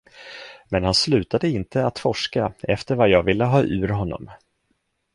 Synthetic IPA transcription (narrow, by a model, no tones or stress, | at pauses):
mɛnhanslʉ̟ːt̪ad̪əɪnt̪ʰəat̪fɔʂkaɛft̪əɾvajɑːɡvɪlːəɦɑːʔʉ̟ːɾɦɔnːɔ̰m